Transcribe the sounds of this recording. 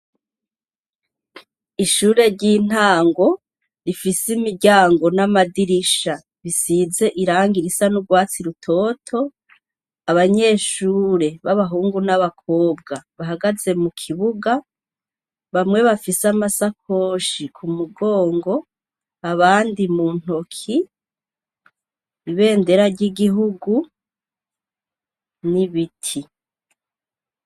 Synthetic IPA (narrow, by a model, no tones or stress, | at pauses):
iʃuːɾe̞ɾɟiːn̥aːŋɡo̞ | ɾifisimiɾɟaːŋɡo̞namadiɾiʃa | βisize̞ʔiɾaːŋɡiɾisanuɡwaːt͡siɾutʰo̞ːtʰo̞ | aβaɲe̞ːʃuːɾe̞βaβaɦuːŋɡunaβakʰo̞ːb̚ɡaβaɦaɡaze̞mukʰiβuɡa | βamŋe̞βafisamasakʰo̞ːʃikʰumuɡo̞ːŋɡo̞ | aβaːndimun̥o̞kʰi | iβe̞ːnde̞ɾaɾɟiɡiɦuɡu | niβitʰi